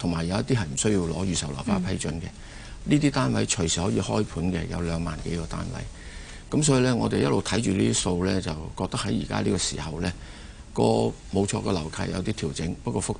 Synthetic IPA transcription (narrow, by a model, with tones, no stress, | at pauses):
t̪ʰʊ˨˩ŋmaː˨˩jːɐ˨˧wɐ˥t̪i˥ɦɐ˨jm̩˨˩sɵ˥ɥji˧wlɔː˨˧˥jyː˨˧sɐ˨wla̰˨˩wpaː˥pʰɐ˥jt͡ʃɵ˨˥nkɛ˧ | liː˥t̪iː˥t̪aː˥nwɐ˨˧˥jt͡ʃʰɵ˨˩ɥsiː˨hɔː˨˥jiː˧hɔː˥jpʰuː˨˥nkɛ̰˧jɐ̰˨˧wlœː˨˧ŋmaː˨nke˨˥jkɔː˧t̪a̰ː˥nwɐ̰˨˥j | kɐ˨˥msɔː˨˥ji˧lɛː˥ŋɔː˨˧t̪e˨jɐ˥lo˨wt̪ʰɐ˨˥jt͡ʃyː˨liː˥t̪i˥so˧wlɛː˥t͡sɐ˨wkɔː˧k̚t̪ɐ˥khɐ˨˥jiː˨˩ka̰ː˥liː˥kɔ˧sḭː˨˩hɐ˨wlɛː˥ | kɔ̰ː˧ | mo˨˧wt͡ʃʰɔː˧kɔ˧lɐ˨˩wkʰa̰ː˧jɐ̰˨˧wt̪iː˥t̪ʰiː˨˩wt͡sɪ˨˥ŋpɐ˥kːɔː˧fʊ˥k̚